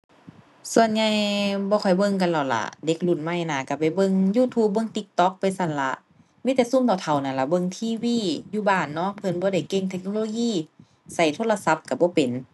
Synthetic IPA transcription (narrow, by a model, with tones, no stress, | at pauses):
su˧˨ə˨nɲa˧jbɔː˧kʰɔ˨˩jbɤ˧˨ŋk̬a˧˨nla˧˨˩wla̰˧˩de˧˦k̚lu˧˩nma˧˩jnaː˧˩ka˧˩pa˨˩jbɤ˧˨ŋjuː˧˨t̪ʰuː˧˦p̚bɤ˧˨ŋt̪i˧k̚t̪ɔ˧˦k̚pa˨jsa˧˩˨nla˧˦ | miː˧˥t̪ɛː˧˩su˧˨mt̪ɔː˨˩t̪ʰa˨˩wna˧˩la˧˩bɤ˧˨ŋt̪ʰiː˧˥˨wiː˧˥˨juː˧˩baː˧˩nːɔ˧˥˨pʰɤ˧˨nbɔː˧ɾa˧˩jke˧˨ŋt̪ʰe˧k̚noː˧loː˧jiː˧˥˨ | sa˧˩jt̪ʰo˧˨la˧sa˧˦p̚ka˧˩bɔː˧˦pe˨˩n